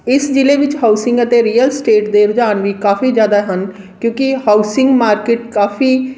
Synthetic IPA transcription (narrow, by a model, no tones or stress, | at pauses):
ɪsd͡ʒɪleʋɪt͡ʃɦaːusɪ̃ŋɡət̪eɾiːəlsʈeːʈd̪eːɾʊd͡ʒaːnʋikaːfiːd͡ʒjaːd̪aɦən | kjõːkihaːusɪ̃ŋɡmaːɾkeːʈkaːfʰiː